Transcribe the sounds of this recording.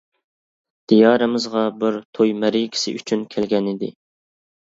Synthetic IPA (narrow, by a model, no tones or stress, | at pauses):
d̪̥ijɑːɾɨmɨzʁɑbɪɾt̪ʰojmɛɾikʲʰɪ̥sɪ̰ʔyt͡ʃʰynkʲʰælɡʲɛnɪd̪ɪ